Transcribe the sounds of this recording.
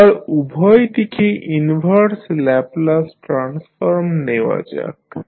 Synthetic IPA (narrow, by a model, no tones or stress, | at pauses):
aɾubʱɔjt̪ikʰeʔinbʱəɾslɛplasʈɾansfɔɾmneʋa̰d͡ʒa̰k